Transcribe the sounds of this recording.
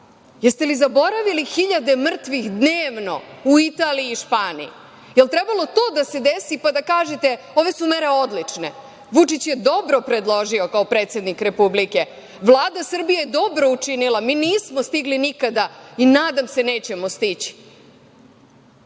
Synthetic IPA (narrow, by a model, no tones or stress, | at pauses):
jest̪e̞lizabo̞ɾaʋilixiʎad̪e̞mr̩t̪ʋixd̪neːʋno̞̰uit̪aːliiːʃpaːnḭji | jelt̪ɾebalˠo̞t̪o̞ːd̪ase̞d̪esipad̪akaːʒet̪e̞ | o̞ʋe̞sumeɾe̞o̞d̪lit͡ʂne̞ | ʋut͡ʂit͡ɕje̞d̪o̞bɾo̞pɾe̞d̪lˠo̞ʒio̞kaopɾe̞ːt̪sje̞d̪nikɾe̞publike̞ | ʋlˠaːd̪asr̩bijejed̪o̞bɾo̞ut͡ʂinilamiːniːsmost̪iɡlinikad̪ainaːd̪amse̞ne̞ːt͡ɕemost̪it͡ɕi̥